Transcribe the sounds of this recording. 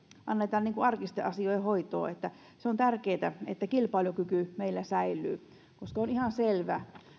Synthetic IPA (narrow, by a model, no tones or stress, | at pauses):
ʔɑnːet̪ɑːnniːŋkuɑrkist̪eʔɑsiojhoit̪o̰ːet̪ːæ | seont̪ærkeːt̪æḛt̪ːækilpɑiljokykymeilːæsæilˑy̰ː | koskɑonihɑnselʋæ